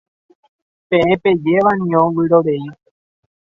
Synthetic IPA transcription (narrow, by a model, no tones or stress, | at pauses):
pẽẽpe̞d͡ʒe̞ʋanĩõʋɨɾoɾei